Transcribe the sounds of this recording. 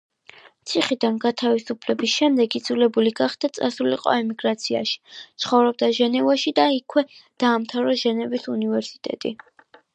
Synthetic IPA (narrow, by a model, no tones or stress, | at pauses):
t̪sʰiχid̪anɡat̪ʰavisupʰlɛbisʃɛmd̪ɛɡid̪zulɛbuliɡaχd̪̥at̪sʼasulḭqʼɔ̰ɛmiɡɾat̪sʰia̰ʃi̥t̪sʰχɔvɾɔb̚d̪aʒɛnɛvaʃid̪aikʰwɛd̪̥aːmt̪ʰavɾɔʒɛnɛvisunivɛɾsi̥t̪ʼɛ̰t̪ʼḭ